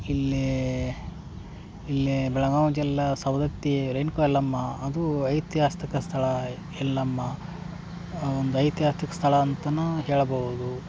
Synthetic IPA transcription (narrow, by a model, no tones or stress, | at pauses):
ilːi | ilːibɛɭɐɡaːd͡ʒɛlːɐsɐwd̪ɐt̪jeɾenkoɛlːɐmːɐːd̪uɐjt̪jaːst̪ikɐst̪ʰɐɭɐ | ɛlːɐmːɐ | ond̪uɐjt̪jaːst̪ikɐ̥st̪ʰɐɭɐːnt̪ɐnːuɦeːɭɐbɐɣud̪u